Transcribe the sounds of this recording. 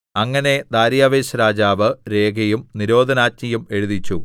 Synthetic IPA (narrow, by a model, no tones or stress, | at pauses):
ɐŋːɐne̞d̪aːɾjaːʋeːɕɐɾaːd͡ʑaːʋɨɾe̞ːɡʱɐjumniɾo̞ːd̪ʱɐnaːt͡ɕɲɐjume̞ɻuðit͡ɕːu